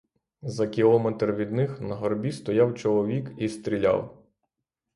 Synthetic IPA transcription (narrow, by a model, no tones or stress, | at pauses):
zɐkʲilˠɔmɛt̪rʋʲid̪nɪxnɐɦɔrbʲist̪ɔjɑwt͡ʃɔlˠɔʋʲikist̪ɾʲilʲa̰w